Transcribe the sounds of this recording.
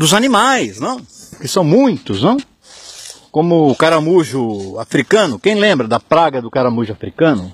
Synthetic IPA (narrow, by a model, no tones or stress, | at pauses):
d̪ʊzanimajznɐ̃w̃kɪsɐ̃w̃mũj̃t̪ʊznɐ̃w̃ | kõmʊːkaɾamuʒʊafɾikɐ̃nʊkẽj̃lẽmbɾɐd̪ɐpɾaɡɐd̪ʊkaɾamuʒʊafɾikɐ̃nʊ